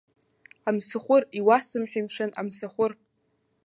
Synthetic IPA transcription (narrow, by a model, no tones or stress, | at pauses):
amsɨχʷʊriwasɨmħʷᶣijmʂana̰msɨχʷʊr